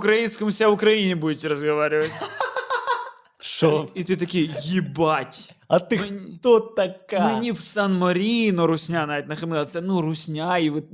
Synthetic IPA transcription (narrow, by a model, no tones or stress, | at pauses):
ʊkɾɐinskəmʊsʲavʊkɾɐinʲɪbudʲɪtʲɪɾəzɡɐʋaɾʲɪvətʲ | ʂoit̪ɨt̪ɐkʲijəjɪbatʲ | ɐt̪ɨt̪ot̪ːɐkamɨnʲifsanmɐɾʲinoɾʊsʲnʲanaɛt̪nɐxɐmlˠat̪sɛnuɾʊsʲnʲaɪʋɨt̪